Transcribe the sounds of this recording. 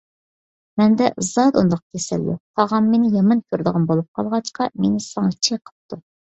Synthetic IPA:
mɛnd̪ɛ̰zɑd̪und̪ɑq̚t̪ʲʰesɛ̰ld̪ṵtʰɑʁɑmmenɪjɑmɑnkʲʰøɾd̪əʁɑnbolˠup̚qʰɑ̰lˠʁɑt͡ʃqɑmenɪsɑŋɑt͡ʃʰeqʰə̥p̚t̪ʰu

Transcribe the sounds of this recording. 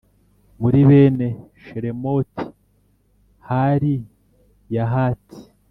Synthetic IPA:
muɾiβeːne | ʃeɾemo̞ti̥ | haɾi | jaɦatʰi̥

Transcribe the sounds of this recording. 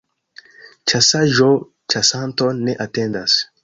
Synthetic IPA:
t͡ʃasaʒo | t͡ʃasãnt̪oneʔat̪ẽnd̪as

